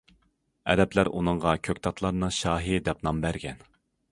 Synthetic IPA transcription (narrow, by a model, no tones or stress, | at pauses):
ɛ̰d̪ɛplæɾunɨɴʁɑkʲʰøkʲt̪ʰɑt̪ʰlˠɑɾnɨʃɑːɦid̪ɛp̚nɑmbæɾɡʲɛn